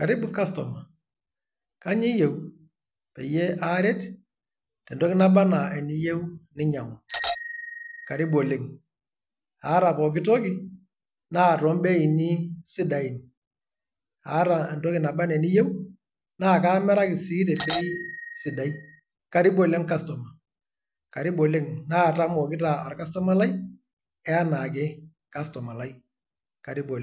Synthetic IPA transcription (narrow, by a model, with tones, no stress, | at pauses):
ka˨ɾɪ˦bu˨˦ka˦stɔ˨ma˨ | ka˦ɲi˦je˨u˦ | pe˨je˦ʔa˦ɾɛ˦t | tɛ˨ndɔ˦kɪ˦na˦ba˦na˨ɛ˨ni˦je˦u˦nɪ˦ɲa˨ma˨ | ka˨ɾi˦bo˨le˦ŋ | a˨˦ɾa˨pɔ˨k̬ɪ˦to˦ki˦ | naː˦˨tɔ˨˦mbɛ˦i˨ni˦sɪ˦da˨i˨n | a̰˨˦ɾa˨n˨to˦kɪ˨na˨ba˦nɛ˨ni˦je˦w | naː˦˨ka˦mɛ˦ɾa˦kɪ˨si˦t̬e˨be˦sɪ˨da˨i˦ | ka˨ɾi˦bo˨le˦ŋka˦stɔ˨ma˨ | ka˨ɾɪ˦bo˨le˦ŋnaː˦˨ta˦mɔ˨kɪ˦ta˨a˨ɾka˦stɔ˦ma˦la˦i˦ | ɛ˦a˦na˨k̬ɛ˦ | ka˦stɔ˨ma˨la˦i˦ | ka˨ɾi˦bo˨l